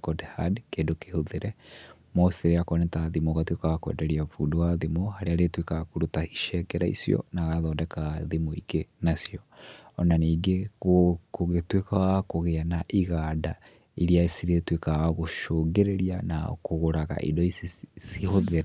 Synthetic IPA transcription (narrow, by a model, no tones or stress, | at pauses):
kɔdhadkeːndokehoðeɾɛ | moseɾeakɔnetaðimoɣatwekaɣakoḛdɛɾiafudowaðimohaɾeaɾetwekaɣkoɾutaiʃɛkɛɾaḭsijɔ̰naɣaðɔːndɛkaðimoiɡenasijɔɔnaniːɡeokoɣetwekaɣakoɣeanaʔiɣada | iɾiasiɾetwekaɣaɣoʃoɡeɾeɾiana̰koɣoɾaɣa̰ʔḭdɔisisihoðeɾe